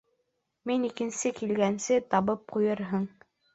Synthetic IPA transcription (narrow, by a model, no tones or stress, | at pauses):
minikɘ̆nsɘkilɡænsɘt̪ɑβɤp̚qujɤɾɦɤɴ